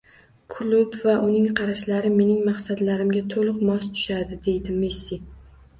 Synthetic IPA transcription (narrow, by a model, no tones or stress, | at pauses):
kʰʊlʊbvaʔʊnɪŋqʰɑɾaʃlaɾɪme̞nɪŋmɑqsad̪laɾɪmɡʲat̪ʰolˠɨqmɒst̪ʰʊ̥ʃad̪ɪd̪e̞jd̪ɪmesːi